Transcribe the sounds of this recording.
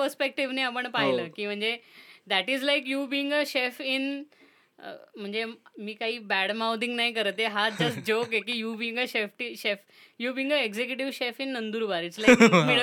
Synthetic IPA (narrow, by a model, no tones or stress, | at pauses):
pəɾspek̚ʈiʋneapəɳpaɦiləːkiːm̤əɳd͡zed̪æʈizlaɪkjubiːɪ̃ŋɡəʃefɪn̰ | m̤əɳd͡zemiːkaɦiːbæɽmawd̪ĩŋɡnaikəɾət̪eɦad͡ʑəsʈ̚d͡ʑokekiːjubiːĩŋɡəɕefʈiʃef | jubiːĩŋəeɡzekjuʈ̬iʋɕefɪnːənd̪uːɾbaɾɪʈslakmi